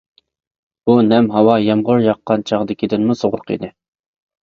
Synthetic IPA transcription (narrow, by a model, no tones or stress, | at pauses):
b̥unɛmɦɑwɑjɑmʁʊɾjɑqːɑnt͡ʃʰɑʁd̪ɪkʲid̪ɪnmusoʁʊɾqʰḭd̪ɪ